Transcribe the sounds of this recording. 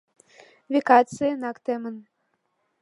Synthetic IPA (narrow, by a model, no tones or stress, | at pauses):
vʲekɑt͡sɨjənɑkt̪emən